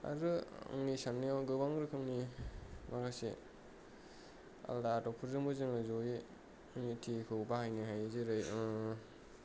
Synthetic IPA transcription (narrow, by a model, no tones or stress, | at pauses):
a̰ɾɯɯ̰ŋnisanːiaɡɯbaŋɾɯkʰɯŋnimakʰase | a̰ldaːtɔpʰɯɾzɯŋbɯzɯŋɯzoje | ɯŋnitʰikʰɯbahajniɦajzɯɾɯjɯ